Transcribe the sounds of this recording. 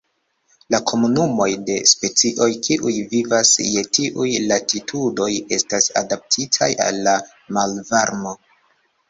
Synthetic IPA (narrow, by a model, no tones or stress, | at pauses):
lakʰo̞munumo̞jde̞spe̞t͡siʔo̞jkiʔujvivasje̞tiʔujlatitʰudo̞je̞stasa̰dap̚tʰitʰaja̰lːa | malvaɾmo̞